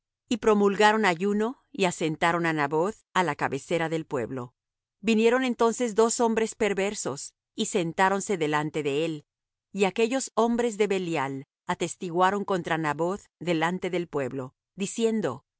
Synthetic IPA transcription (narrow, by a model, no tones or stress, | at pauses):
ipɾo̞mulɣaɾo̞naʝuno | iase̞nt̪aɾo̞nanaβo̞θ | alakaβe̞se̞ɾaðelpwe̞̰βlo̞̰ | binje̞ɾo̞ne̞nt̪o̞nse̞zd̪o̞so̞mbɾe̞spe̞ɾβe̞ɾso̞s | ise̞nt̪aɾo̞nse̞ðe̞lant̪e̞ðe̞el | iake̞ʝo̞so̞mbɾe̞zðe̞βe̞ljal | at̪e̞st̪iɣwaɾo̞ŋko̞nt̪ɾanaβo̞θðe̞lant̪e̞ðe̞lpwe̞βlo̞ | ðisje̞nd̪o̞̰